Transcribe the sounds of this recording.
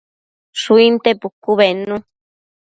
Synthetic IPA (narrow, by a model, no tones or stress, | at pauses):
suint̪epukuβenũ